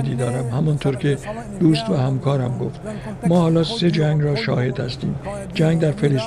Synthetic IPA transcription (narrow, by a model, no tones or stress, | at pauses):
d̪iːd̪ɒːɾæmhæmɒnt̪ʰoɾkʰe̞ | d̪̥uːst̪væhæmkʰɒːɾæmɡo̰ft̪ | mɒːhɒːlɒːse̞d͡ʒæŋɡrɒːʃɒ̰ːhe̞d̪̥hæst̪ḭːm | d͡ʒæŋɡd̪æɾfeles